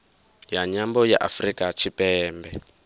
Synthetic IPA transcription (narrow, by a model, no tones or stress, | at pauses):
jaɲambɔjaʔa̰frikʼat͡ʃʰipɛːmbɛ